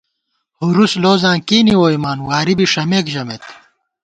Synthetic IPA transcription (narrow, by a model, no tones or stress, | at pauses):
huɾusloːzãːkiːniwoːimaːnwaːɾibiʂɐmeːkʑɐmeːt̪